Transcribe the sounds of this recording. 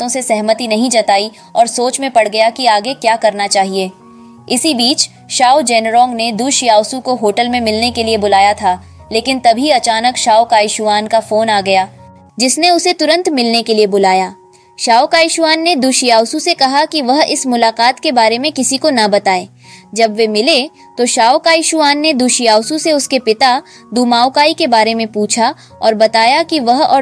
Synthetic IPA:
t̪õsesɛɦmət̪inɐɦĩd͡ʒɐt̪aːi | ɔːɾsoːt͡ʃmẽpɐɽ̤ɡɐjakiaːɡekjaːkɐɾnat͡ʃaːɦieː | ɪsibiːt͡ʃ | ʃaːud͡ʒɛːnɾɔ̃ːŋɡned̪ʊʃjaːʊsukoɦoːʈəlmẽmɪlnekeliebʊlaːjat̪ʰaː | leːkɪnt̪ɐbʱiɐt͡ʃaːnəkʃaːukaːjɪʃʊaːnkafoːnaːɡɐjaː | d͡ʒɪsneʊset̪ʊɾə̃nt̪mɪlnekeliebʊlaːjaː | ʃaːʊkaːɪʃʊaːnːed̪uːʃijaːʊsusekɐɦakiʋɐɦɪ̰smʊlaːqaːt̪kebaːɾemẽkɪsikonɐbɐt̪aːeː | d͡ʒɐbʋemɪle | t̪oʃaːʊkaːjɪʃʊaːnːed̪ʊʃijaːʊsuseʊskepɪt̪a | d̪uːmaːʊkaːikebaːɾemẽpuːt͡ʃʰa | ɔːɾbɐt̪aːjakiʋɐɦɔ̰ː

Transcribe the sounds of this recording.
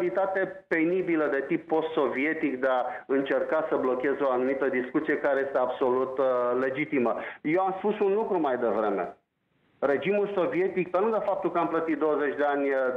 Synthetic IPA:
lit̪at̪e̞pe̞nibiləd̪e̞t̪ipːo̞st̪so̞vie̞t̪ikd̪eaɨnt͡ʃe̞rkasəblo̞kʲe̞zeo̞anumit̪əd̪iskut̪sije̞kaɾeje̞st̪eabso̞lut̪le̞d͡ʒit̪iməjewamspusunlukɾumajd̪e̞vɾe̞me̞̰ | re̞d͡ʒimulso̞vie̞t̪ik̚pənud̪efap̚t̪ulkəamplət̪it̪̚d̪owəze̞t͡ʃʲd̪eanʲ

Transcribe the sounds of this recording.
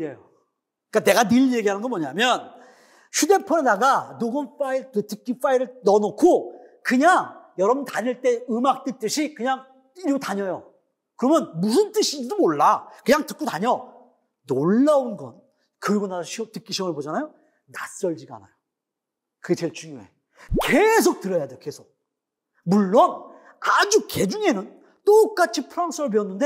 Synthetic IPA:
ɾejo | k͈ane̞ɡanɯʎje̞ɡiɦanɯnɡʌnmʌɲamjʌn | ɕʰude̞pʰʌɾenaɡanoɡɯnf͈aiɭtɯtɯk͈ːif͈aiɾɯɭnʌnokʰo | kɯɲaŋjʌɾʌmntaɲiɭt͈e̞ɯmak̚t͈et͈ɯɕʰikɯɲaŋ | iɾutaɲʌjo | kɯɾʌmjʌnmusʰɯnt͈ɯɕʰidomoɭːakɯɲaŋtɯk̚k͈utaɲʌ | noɭːaonɡʌ̰n | kɯɾiɡonaɕʰiʌtɯk͈iɕʰiʌmɯɭpod͡ʑanajo | nas͈ʌʎd͡ʑiɡa̰na̰jo | kɯt͡ɕeɭt͡ɕ͈uŋjoe̞̰ | kes̬ʰok̚t͈ɯɾʌjade̞joke̞sʰok̚ | muɭːon | ad͡ʑuke̞d͡ʑuŋe̞nɯn | t͈ok̚k͈at͡ɕʰipʰɯɾaŋsʰɯɾɯɭpiʌnːɯnde̞

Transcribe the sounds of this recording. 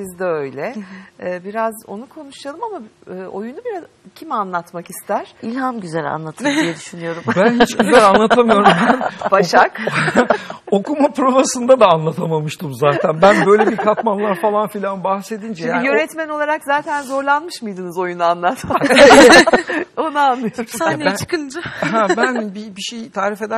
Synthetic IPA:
sizd̪ɛø̞jlʲɛː | biɾazo̞̰nukʰo̞nuʃjalˠɯmamaːʔo̞̰junubiɾaz | cʰimanlˠat̪makist̪ʰæɾ̥ilʲhamɟyzælʲa̰nlˠat̪ʰɯijɛd̪yʃynijo̞ɾumbænhit͡ʃɟyzælʲanˠat̪ʰamɯijo̞ɾumbænbaʃakb̪ | o̞kumapɾobasɯnd̪ad̪aːnlˠat̪ʰamamɯʃt̪ʰɯmzaːt̪ʰænbænbø̞jlʲebiɾkʰat̪manlˠaɾfalˠanfilʲanbahse̞d̪ind͡ʒɛjajøɾɛt̪mæno̞lˠaɾakzaːt̪ʰænzo̞ɾlˠanmɯʃmɯjd̪ɯnɯzo̞junaanlˠat̪ma | o̞naːlˠːɯjosat͡ʃʰkɯldɯɦɛbænbibiʃejt̪ʰaːɾife̞d̪æ

